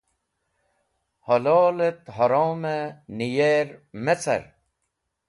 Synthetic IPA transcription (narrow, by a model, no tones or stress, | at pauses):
holoːlet̪ɦɔɾoːmenijeɾmet͡sɐ̰ɾ